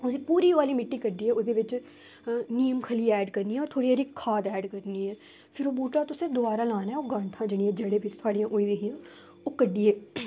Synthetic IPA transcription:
od̪iːpuːɾiːʋaːliːmɪʈːiːkəɖiːɛːoːd̪eːʋɪt͡ʃ | niːəmkʰəliːɛːɖkəɾniːɛːɔːɾt̪ʰoːɽijaːɾikʰːaːd̪ɛːɖkəɾniːɛː | pʰɪɾoːbuːʈaːt̪ʊsẽːd̪ʊbaːɾaːlaːnɛːoːɡãɳʈ̪ʰãːd͡ʒeɽ̃iːɛːd͡ʒeːɽeːʋɪt͡ʃt̪ʰʊaːɽijãːʔoːiːd̪eːɦɪjãː | oːkəɖiːɛː

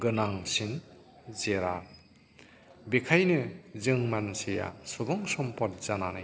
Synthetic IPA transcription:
ɡɯnaŋsin | zeɾa | bekʰajnɯzɯŋmanseja̰sɔbɔŋsɔmpɔt̚z̥ananɯj

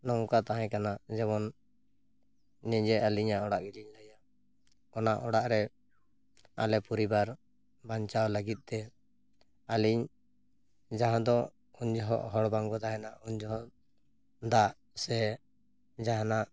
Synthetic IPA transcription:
nɔŋkat̪aɦɛ̃kanad͡ʒɛmɔn | ɛɲd͡ʒɛaliɲaʔɔɽaʔɡiliɲləja | kɔnaʔɔɽaʔɾɛ | a̰lɛpɔɾibaɾ | baɲt͡ʃawləɡit̪̚ˀt̪ɛ | aliɲ | d͡ʒaɦãd̪ɔ | uɲd͡ʒɔɦɔʔɦɔɽbaŋɡɔd̪aɦɛnaʔuɲd͡ʒɔɦɔʔ | d̪aʔ | sɛ | d͡ʒaɦãnaʔ

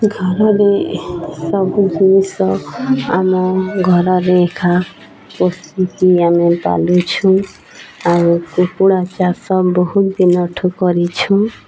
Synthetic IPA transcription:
ɡʱɔɾɔɾesɔbud͡ʒinisɔa̰mɔɡʱɔɾɔɾeːkʰa | pɔst̪it̪iamepa̰lut͡ʃʰũ | aɾukukuɽat͡ʃasɔbɔɦut̪d̪inɔʈʰɔkɔɾit͡ʃʰũ

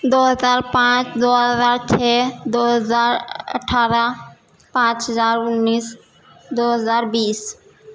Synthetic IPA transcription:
d̪oːɦəzaːɾpãt͡ʃd̪oɦɦəzaːɾt͡ʃʰɛːd̪oɦəzaːɾə̰ʈʰaːɾə | pãt͡ʃɦəzaːɾʊnːiːs | d̪oːɦəzaːɾbiːs

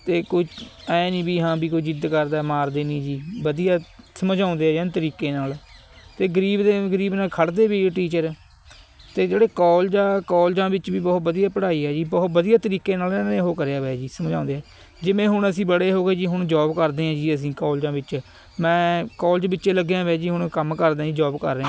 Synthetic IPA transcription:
t̪eːkʊit͡ʃɛːnĩːbiːɦãːbiːkoːid͡ʒɪd̪kəɾd̪aːmaːɾd̪eːniːd͡ʒiːbəd̪ijaːsəmd͡ʒãːnd̪eːɛːd͡ʒɛːnt̪əɾiːkeːnaːl | t̪eːɡəɾiːbd̪eːɡəɾiːbnaːlkʰəɽd̪eːbiːʈiːt͡ʃəɾ | t̪eːd͡ʒeːɽeːkɔːld͡ʒaːkɔːld͡ʒãːbɪt͡ʃʋiːbɔːt̪bəd̪ijaːpəɽaːiːɛːd͡ʒiːbɔːt̪bəd̪ijaːt̪əɾiːkeːnaːlɛːneːɦoːkəɾejaːʋɛːd͡ʒiːsəmd͡ʒãːnd̪eːɦɛː | d͡ʒɪʋẽːɦʊɳəsĩːbəɽeːɦoːɡeːd͡ʒiːɦʊɳd͡ʒɔːbkəɾd̪eːãːd͡ʒiːəs̬ĩːkɔːld͡ʒãːbɪt͡ʃ | mɛ̃ːkɔːld͡ʒbɪt͡ʃːʃeːləɡeãːʋɛːd͡ʒiːɦʊɳkəmkəɾd̪ẽːd͡ʒiːd͡ʒɔːbkə̰ɾːeːã

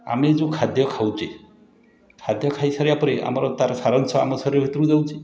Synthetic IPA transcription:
a̰med͡ʒũkʰad̪ʱjɔkʰawt͡ʃʰe | kʰad̪jɔkʰajsaɾiapɔɾeʔa̰mɔɾɔt̪aɾɔsaɾɔnsɔa̰mɔsɔɾjɔbʱit̪ɔɾũd͡ʒawt͡ʃʰi

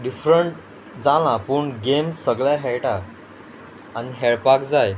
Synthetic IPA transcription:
ɖifɾəɳʈ | d͡zalãpəːɳɡemsəɡɭjaɦɛɭʈa | niɦɛɭpakd͡zaj

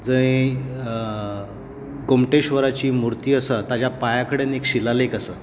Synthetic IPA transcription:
d͡zəi | ɡomʈeɕʋəɾat͡ɕiːmuɾt̪iːəsət̪ad͡ʑjapajakəɽenekɕilalekəsəː

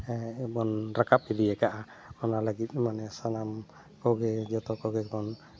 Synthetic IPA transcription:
bɔnɾakap̚iliɛkaʔa | manalaɡit̪̚manɛsanam | kɔɡɛd͡ʒɔt̪ɔkɔɡɛkɔn

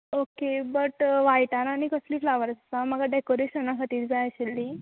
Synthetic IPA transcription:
okebəʈʋajʈananikəsliːflaʋəɾsat͡saməɡaɖekoɾeɕənakʰat̪iːɾd͡zajəɕelːi

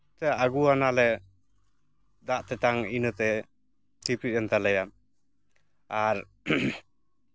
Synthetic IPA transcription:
t̪ɛaɡuanalɛ | d̪aʔt̪ɛt̪aŋinət̪ɛ | t̪ʰipɾit̚ɛnt̪ʰalɛjam | aɾ

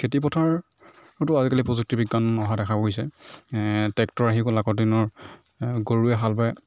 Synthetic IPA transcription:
kʰetipɔtʰaɹ | tʊazikalipɹɔzuk̚tibiɡanɔɦadɛkʰapoisɛ | tɛktɔɹaɦiklakɔinɔɹ | ɡoɹuɛɦalbaɛ

